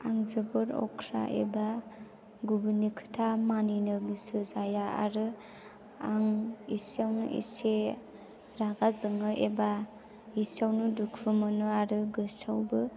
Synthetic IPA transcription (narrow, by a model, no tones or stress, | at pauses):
a̰ŋzɯbɯɾɔ̰kʰɾa̰ʔḛba | ɡubinikʰɯ̥tʰamaninɯɡisɯzajaa̰ɾɯ | aŋisawnṵʔḭse | ɾaɡazɯŋɯʔeba | isawnudukʰɯmɯnuaɾɯɡɯsawbɯ